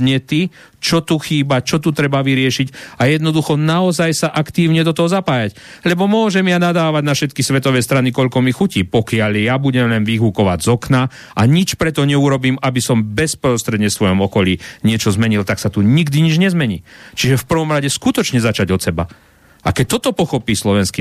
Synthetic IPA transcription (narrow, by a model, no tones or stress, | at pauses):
ɲɛt̪i | t͡ʃɔt̪uxiːbat͡ʃɔt̪ut̪ɾɛbaʋiɾɪɛʃicajɛd̪nɔd̪uxɔnaɔzajsaʔakt̪iːʊɲɛd̪ɔt̪ɔɦɔzapaːjac | lɛbɔmʊɔʒɛmjanad̪aːʋaɟnafʃɛt̪kisʋɛt̪ɔʋɛst̪ɾanikɔʎkɔmixuciːpɔkɪaʎjabuɟɛmlɛnʋiɦukɔʋa̰ɟzɔkna | ʔaɲit͡ʃpɾɛt̪ɔɲɛuɾɔbiːmabisɔmbɛspɾɔst̪ɾɛd̪ɲɛsʋɔjɔmɔkɔliːɲɪɛt͡ʃɔzmɛɲilt̪aksat̪uɲiɡd̪iɲid͡ʒɲɛzmɛɲḭːt͡ʃiʒɛfpr̩ʋɔmɾaɟɛskut̪ɔt͡ʃɲɛzat͡ʃaɟɔt̪sɛba̰ | ʔakɛc̚t̪ɔt̪ɔpɔxɔpiːslɔʋɛnski